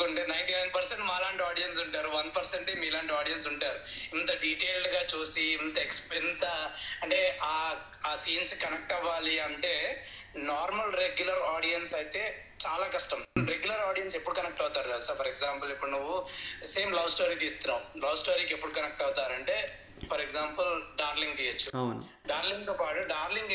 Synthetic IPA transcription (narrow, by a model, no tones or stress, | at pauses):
oɳʈinɐjɳʈiːnɐjnpɐɾseɳʈmaːlaːɳʈiaːɽijɐns̬uɳʈaːɾuʋɐnpɐɾseɳʈemiːlaːɳʈiaːɽijɐns̬uɳʈaːɾu | int̪ɐɖiːʈe̞ːlɖɡaːt͡ʃuːsiːnt̪ɐekspint̪ɐɐɳʈe̞ːʔaː | aːsiːnskɐnek̚ʈɐʋaːliɐɳʈe̞ː | naːɾmɐlɾeɡjulɐɾaːɽijɐnsɐjt̪e̞ː | t͡ʃaːlaːkɐʂʈɐmɾeɡjulɐɾaːɽijɐnsepːuɽukɐnek̚ʈɐwt̪aːɾud̪aːlsaːpʰɐɾeɡzaːmpɐlipːuɽunuʋːuse̞ːmlɐwsʈoːɾiːt̪iːst̪unːaːmlɐʋsʈoːɾiːkepːuɽukɐnek̚ʈɐwt̪aːɾɐɳʈe̞ː | pʰɐɾeɡzaːmpɐlɖaːɾliŋɡ̚t̪iːjɐt͡ʃːu | ɖaːɾliŋɡ̚t̪oːpaːʈuɖaːɾliŋɡ